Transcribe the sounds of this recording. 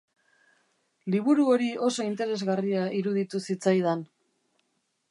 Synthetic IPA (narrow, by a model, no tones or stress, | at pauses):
liβ̞uɾuo̞ɾio̞so̞int̪e̞ɾe̞zɣariaʔiɾuðit̪usit͡sajðan